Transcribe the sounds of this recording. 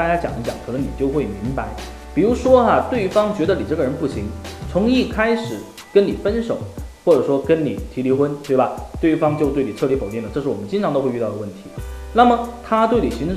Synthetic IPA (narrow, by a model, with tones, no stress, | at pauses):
a˥˧˩t͡ɕja˥t͡ɕjɑ˨˩ŋi˥t͡ɕjɑ˨˩˦ŋkʰɤ˨˩nɤ˧˥ŋni˨˩t͡ɕjo˥˧ʊxwe˥˩ɪmi˧˥ŋpa˧˥ɪ | pi˨˩ɻu˧˥ʂwɔ˥ɐ˧t̪we˥˩ɪfɑ˥ŋt͡ɕɥɛ˧˥d̪ə˧ni˨˩ʈ͡ʂɤ˥˩ɡə˩ɻə˧˥npu˥˩ɕi˧˥ŋt͡sʰʊ˧˥ŋi˥˩kʰa˥ɪʂɻ̩˨˩˦ | kə˥nni˨˩fə˥nʂo˨˩˦ʊxwɔ˥˩ʈ͡ʂɤ˨˩ʂwɔ˥kə˥nni˨˩˦t̪ʰi˧˥li˧˥xwə˥nt̪we˥˩ɪbɐ˩t̪we˥˩ɪ˥fɑ˥ŋt͡ɕjo˥˧ʊt̪we˥˩ɪni˨˩ʈ͡ʂʰɤ˥˩li˧˥fo˨˩ʊt̪i˥˩lə˩ʈ͡ʂɤ˥˧ʂɻ̩˥˩wɔ˨˩ə˦nt͡ɕi˥nʈ͡ʂʰɑ˧˥ŋt̪o˥ʊxe˥˧˥y˥˧t̪ɑ˥˩ʊd̪ə˩wə˥˩nt̪ʰi˧˥na˥˩mə˩t̪ʰa˥t̪we˥˩ɪni˨˩ɕi˧˥